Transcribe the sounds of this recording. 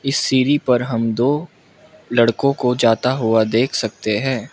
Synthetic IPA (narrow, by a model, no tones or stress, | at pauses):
ɪsːiːɾipɐɾɦɐmd̪oː | lɐɽkõkod͡ʒaːt̪aɦʊad̪eːkʰsɐk̚t̪eɦɛ̃ː